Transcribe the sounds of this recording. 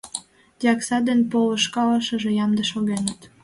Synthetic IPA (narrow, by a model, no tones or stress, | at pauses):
d̪̥ʲiɑksɑd̪enpoləʃkɑləʃəʒejɑmd̪əʃoɣenət̪